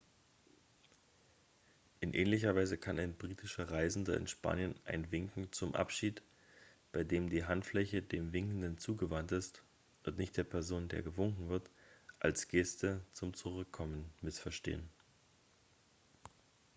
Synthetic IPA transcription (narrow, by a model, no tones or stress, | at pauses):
ʔɪnʔɛ̰ːnlɪçɐvaɪzəkʰanaɪnbʁiːtʰɪʃɐʁaɪzn̩dɐɪ̰nʃpa̰ːnjənʔa̰ɪnvɪŋkŋ̩t͡sʊmʔa̰pʃiːt | b̥aɪdeːmdiːɦantflɛçədeːmvɪŋkn̩dənt͡suːɡəvantɪst | ʔʊntnɪçt̚d̥eːɐpʰɛɐzoːndḛːɐɡəvʊŋkŋ̩vɪɐtʔa̰lsɡ̥ɛstət͡sʊmt͡suʁʏkʰːɔmənmɪsfɛɐʃtḛːən